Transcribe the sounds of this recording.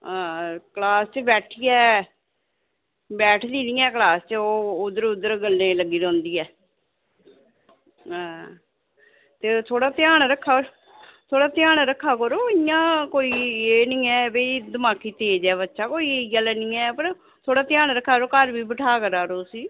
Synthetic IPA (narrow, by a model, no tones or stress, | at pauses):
ãːkəlaːst͡ʃəbɛːʈʰiːɛː | bɛːʈʰd̪iːnĩːɛːklaːst͡ʃoːʊd̪əɾʊd̪əɾɡəlːeːləɡːiːɾɔ̃ːnd̪iːɛː | ɦãː | t̪eːt̪ʰoːɽaːt̪ɪjaːɽɾəkʰːaː | t̪ʰoːɽaːt̪ɪjaːɳɾəkʰːaːkəɾoːɪjãːkoːiːeːnĩːɛːbed̪əmaːkiːt̪eːd͡ʒɛːβətːʃʰaːkoːiːɡəlɛːnĩːɛːpəɾ | t̪ʰoːɽaːt̪ɪjaːnɾəkʰːaːɾoːkəɾʋiːbəʈʰaːkəɾaːɾoːsiː